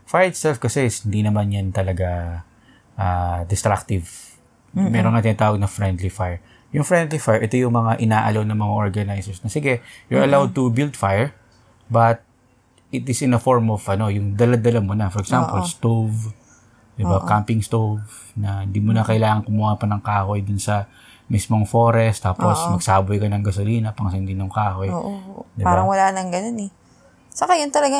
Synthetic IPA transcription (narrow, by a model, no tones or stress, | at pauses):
fajɹɪt̪sɛlfkɐsɛsɪnd̪inɐmanjant̪ɐlɐɡa | ʔad̪ɛst̪ɾak̚t̪ɪv | mɛɾonŋat̪ɪnaːt̪aːwɐɡ̚nɐfɹɛnd̪lifajɹ | jʊŋfɹɛnd̪lifajɹʔɛt̪o̞jʊŋmɐŋaʔɪnaːʔɐlonɐmɐŋaʔoɹɡɐnajsɛɹsnɐsɪɡɛjʊɹʔɐlawd̪̚t̪ʊbild̪fajɛɹ | bɐt̪̚ | ɪt̪ɪsɪnɐfoɹmovʔɐno̞jʊŋd̪ɐlad̪ɐlamʊnɐfɔɾɛksampolst̪ov | d̪ɪbakampɪŋst̪ov | nɐɪnd̪imʊnɐkɐɪlaːŋɐŋkʊmuːhapɐnɐŋkaːho̞jd̪ʊnsɐ | mismo̞ŋfo̞ɾɛst̪ːaːposmɐɡsaːbʊjkɐnɐŋɡɐsʊliːnɐpɐŋsɐnd̪inoŋkaːho̞jʔd̪ɪbaːaɾɐŋwɐlaːnɐŋɡɐnonɛ | sɐkajʊnt̪ɐlɐɡa